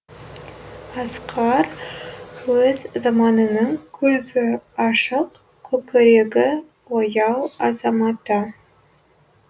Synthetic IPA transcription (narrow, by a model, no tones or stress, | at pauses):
ɑsqʰɑɾ | wɵzzɑmɑnənəɴkʲʰɵzɪɑʃəq | kʲʰɵkʲɪɾe̞ɡʲɪ | wojɑwɑzɑmɑt̪ə